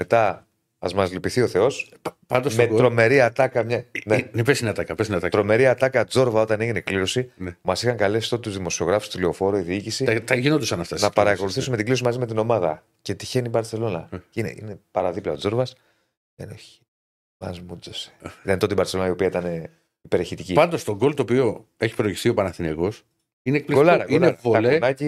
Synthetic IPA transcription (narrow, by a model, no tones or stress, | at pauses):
me̞t̪ɐ | ɐzmɐzlipiθio̞θe̞o̞s | pɐnd̪omet̪ɾo̞me̞ɾiɐt̪ɐkɐmɲɐnenepesinɐt̪ɐkɐpesinɐt̪ɐkt̪ɾo̞me̞ɾiɐt̪ɐkɐd͡zo̞ɾvɐo̞t̪ɐne̞ʝine̞kliɾo̞sinmɐsixɐŋkɐlesi̥t̪ot̪t̪uzðimo̞sio̞ɣɾɐfu̥st̪uliofo̞ɾoiðiicisit̪ɐʝinot̪usɐnɐft̪ɐsnɐpɐɾɐko̞luθisumeiɡliosimɐzime̞t̪ino̞mɐðɐ | ce̞t̪içe̞nibɐɾt͡se̞lo̞nɐinḛḭnepɐɾɐðiplɐod͡zo̞ɾvɐs | ðeneçi̥ | mɐ̰zmud͡zosi̥it̪ɐnt̪ot̪ibɐɾtse̞lonɐio̞piɐit̪ɐne | ipe̞ɾeçit̪icipɐnd̪ost̪oɡo̞lt̪oːpio̞eçi̥pɾoçi̥st̪io̞pɐnɐθineɣo̞s | ineek̚plikolɐɾɐknevoɐlenɐci